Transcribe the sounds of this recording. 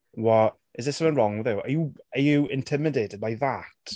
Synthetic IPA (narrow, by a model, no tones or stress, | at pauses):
wɔ | ʔɪzðɪsəmə̃nɹɔŋwɪðəwə̰juəjuɪ̃ntʰɪmɪdetɪd̚bajðat